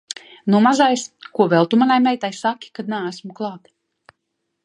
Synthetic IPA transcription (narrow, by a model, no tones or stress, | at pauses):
numazajskuɔvɛlˠt̪umanajmɛjt̪ajsakʲːi̥kad̪̚naːæsmuklˠaːt̪